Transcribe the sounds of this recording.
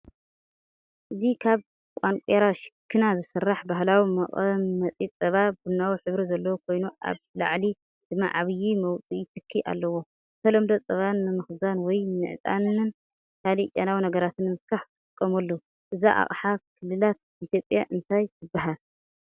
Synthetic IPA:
ʔɨzikʰaβ | kʼaŋkʷʼeɾaʃɪ̥kʰːɨnazɨsɐrːaħbaɦlawimɐχʼmːɐt͡sʼit͡sʼɐβabunːawiħɨβɾizɐlːɐwokʰo̞jnuʔa̰βla̰ʕli | d̪̥ɨmːa̰ʕa̰βɨjimɐwt͡sʼit̪ʰɨkʰːiʔa̰lːɐwo̞ | sʰɐlɐmd̪ot͡sʼɐβanːɨmɨxzanwɔjnɨ̰ʕt̪ʼa̰nɨn | kʰalit͡ʃʼanawinɐɡɐɾat̪ɨnːmɨfkʰaħt̪ʼt̪ʼɨkʼːɐmɐlːo | ʔɨza̰ʔa̰χʼħakʰɨlːɨlat̪̚it̪ʰjo̞pʼjaʔɨnt̪ʰajzɨbːaɦal

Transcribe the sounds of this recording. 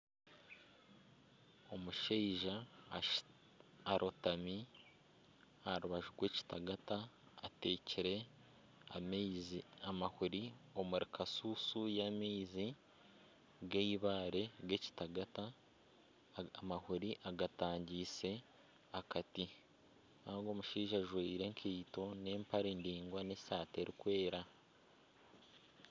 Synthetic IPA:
o̞muʃeiʒa | aɾʔo̞tami | aɾuβaʒuɾɡwe̞ːci̥taɡataː | te̞ːciɾe̞ | zamahuɾio̞muɾikʰasusujamiːzi | ɡeiβaːɾe̞ɡe̞ci̥taɡata | mahuɾiʔaɡataːɲɟiːse̞ | akati | naɡo̞ːmuʃiːʒaʒweiɾe̞ŋkʰiːto̞ne̞ːmpaɾindiːŋɡwanesaːte̞ɾikwe̞ːɾa

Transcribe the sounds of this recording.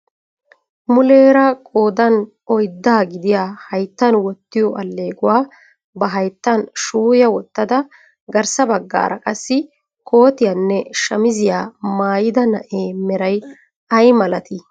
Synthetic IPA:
mʊle̞ːɾɐkʼo̞ːd̪ɐn | ɔjd̪ːaːɡɪd̪ɪjaːhɐjt̪ːɐnwɔt̪ːɪjɔʔɐlːe̞ːɡʊwaː | bɐɦɐjt̪ːɐnʃuːjɐwɔt̪ːɐd̪ɐ | ɡɐɾsɐbɐɡːa̰ːɾɐkʼɐsːɪ | kʰo̞ːt̪ɪjanːɛʃɐmɪzɪjaːmaːjɪd̪ɐnɐʔeːmɛɾɐj | ɐjmɐlɐt̪ɪ

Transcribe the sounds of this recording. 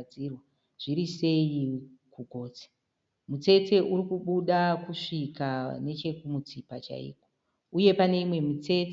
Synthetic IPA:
d͡zirwa | ʐ̥iɾise̞jikuɡʱo̞ːt͡si̥ | mut͡se̞te̞ʔurikuɓuɗakuʂikane̞t͡ʃe̞kumut͡sipat͡ʃa̰ḭːko | uje̞pane̞imwe̞mit͡se̞t

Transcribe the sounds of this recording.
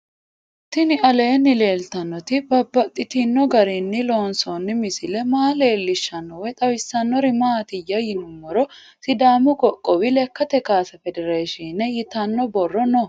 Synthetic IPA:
t̪ɪnɪɐle̞ːnːɪle̞ːlt̪ɐnːɔt̪ɪbɐbːɐt̪ʼːɪt̪ɪnːɔɡɐɾɪnːɪlo̞ːnsonːɪmɪsɪlɛmaːle̞ːlːɪʃːɐnːɔwɛt̪ʼɐwɪsːɐnːɔɾɪmaːt̪ɪjɐjɪnʊmːɔɾɔ | sɪd̪aːmʊɡɔkʼːɔwɪlɛkːɐt̪ɛkaːsɐfɛd̪ɛɾeːʃinɛjɪt̪ɐnːɔbɔrːɔnɔ

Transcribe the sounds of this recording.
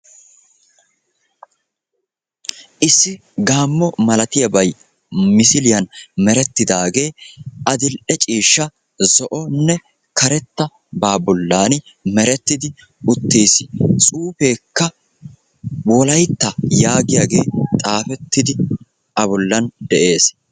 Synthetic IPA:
ʔɪsːɪ | ɡaːmːɔmɐlɐt̪ɪjɐbɐj | mɪsɪlɪjɐnmɛɾɛt̪ːɪd̪aːɡe̞ːʔɐd̪ɪlʔɛt͡ʃʼiːʃːɐ | zɔʔɔnːɛ | kɐɾɛt̪ːɐ | baːbɔlːaːn | mɛɾɛt̪ːɪd̪ɪ | ʊt̪ːeːsɪ̥t͡sʼuːfe̞ːkːɐ | wɔlɐjt̪ːɐjaːɡɪjaːɡe̞ːt̪ʼaːfɛt̪ːɪd̪ɪ | ʔɐbɔlːɐnd̪ɛʔe̞ːs

